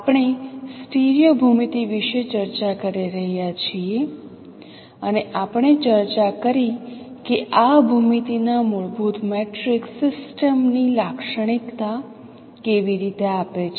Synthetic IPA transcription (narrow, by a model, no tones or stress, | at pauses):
apɳ̃esʈeɾjobʱumit̪iʋiʃet͡ʃəɾt͡ʃakəɾiɾəɦjat͡ʃʰie | əneʔapəɳ̃et͡ʃəɾt͡ʃakəɾikeʔabʱumit̪inamʊɭbʱut̪meʈɾiksɪsʈəmnilakʃəɽ̃ikt̪a | keʋiɾit̪eapet͡ʃʰ